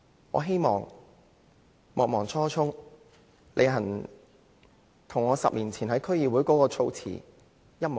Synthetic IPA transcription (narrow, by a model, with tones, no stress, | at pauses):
ŋɔ̰ː˨˧ɦe˥jmɔː˨˩ŋ | mɔː˨k̚mɔː˨˩ŋt͡sʰɔː˥t͡ʃʰʊ˥ŋ | lʔḛ˨˧jɦɐ˨˩n | t̪ʰʊ˨˩ŋɔː˨˧sɐ̰˨p̚liː˨˩nt͡sʰiː˨˩nɦɐ˨˥jkʰɵ˥ɥjiː˨wu˨˥jkɔː˨˥kɔː˧t͡sʰo˧wt͡sʰḭː˨˩ | jɐ˥t̚m˨